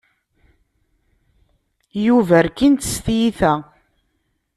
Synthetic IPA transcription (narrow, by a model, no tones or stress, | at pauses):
juvæɾkint̪ə̥st̪jiθæ